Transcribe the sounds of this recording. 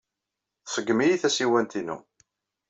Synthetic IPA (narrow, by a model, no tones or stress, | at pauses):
θsˤəɡːmijiθæsiwænt̪inṵ